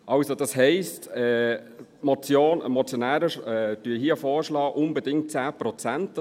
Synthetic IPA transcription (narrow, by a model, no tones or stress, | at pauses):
ʔɑʊsod̥ɑshɛɪstɛː | mɔt͡sjoːnə̰mɔt͡sjonæːɾəʃɛd̥yəɦiəfɔːɾʃlɑːʔʊnbədɪŋt̚t͡sæːpɾɔt͡sænt